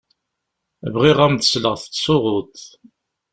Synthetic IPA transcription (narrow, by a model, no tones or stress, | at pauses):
vʁiʁæmt̪əsləʁθə̥t̪ːsʊʁʊt̪